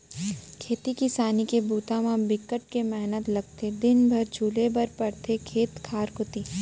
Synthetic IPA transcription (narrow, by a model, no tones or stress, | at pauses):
kʰeːt̪ikisaːnikebuːt̪ãmãbɪkəʈ̚kemɛɦnət̪lɐɡ̚t̪ed̪ɪnbʱɐɾd͡ʒʰʱuːlebɐɾpɐɾt̪ʰekʰeːt̪kʰaːɾkoːt̪iː